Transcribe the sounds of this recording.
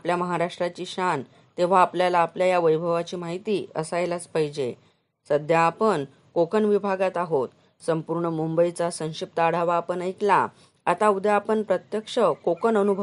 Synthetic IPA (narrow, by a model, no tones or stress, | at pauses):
apljaməɦaɾaʂʈɾat͡ɕiːɕan | t̪eʋ̤aːpljalaːpljajaʋəjbʱəʋat͡ɕiːmaɦit̪iə̰sajlat͡spajd͡ʑe | səd̪ʱjaːpən | kokənʋibʱaɡat̪aɦot̪ | səmpuɾɳəmumbəjit͡sasə̃w̃ɕip̚t̪aɽ̤aʋaːpənəjkla | at̪aud̪japəɳpɾət̪jəkʂəkokənənubʱə